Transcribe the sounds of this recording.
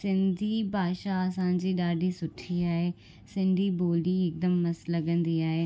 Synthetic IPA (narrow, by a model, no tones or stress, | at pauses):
sɪ̃nd̪iːbʱaːʃaːəsãːd͡ʒiːɖaːɖiːsʊʈʰːiːaːeː | sɪ̃nd̪iːboːliːɪk̚d̪əmːəsləɡə̃nd̪iːaːeː